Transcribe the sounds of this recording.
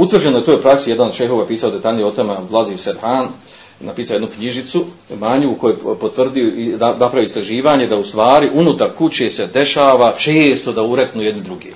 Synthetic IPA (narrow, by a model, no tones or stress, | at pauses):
ut̪ʋvr̩d͡ʑenoeut̪oːjupɾaksijed̪anod̪ʃejɦo̞ʋapiːsaod̪e̞t̪aːʎnijeo̞t̪omalˠazised̪haːn | napiːsaojed̪nukɲiʒit̪su | maɲukojepot̪ʋr̩d̪ioinapɾaʋiist̪ɾaʒiːʋaːɲe̞d̪aust̪ʋaːɾiʔunut̪aɾkut͡ɕe̞ːse̞d̪e̞ʃaːʋat͡ʃeːst̪o̞d̪auɾeknuːjed̪nid̪ɾuɡeː